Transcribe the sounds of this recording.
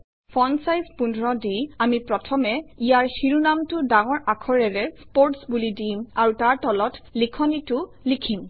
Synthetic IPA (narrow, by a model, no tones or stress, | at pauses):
fʰɔnsajzpundʱɹɔdiamipɹɔtʰɔmɛijaɹxiɹunamtʊdaŋɔɹakʰɔɹɛɹɛspoɹtsbulidimaɹutaɹtɔlɔtlikʰɔnitʊ | likʰim